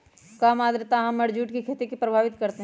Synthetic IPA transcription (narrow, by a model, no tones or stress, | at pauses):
kaːmaːd̪ɾt̪aɦɐmɐɽd͡ʒuːʈkikʰet̪ikipɾɐbʱaːʋɪt̪kɐɾt̪eɦ